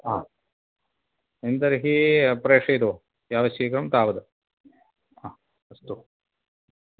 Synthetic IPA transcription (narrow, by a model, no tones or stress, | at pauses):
aː | ind̪ɐɾiɦipɾeːkʂɐid̪u | jaːʋɐsjikɾɐmt̪aːʋɐd̪u | aː | ɐst̪u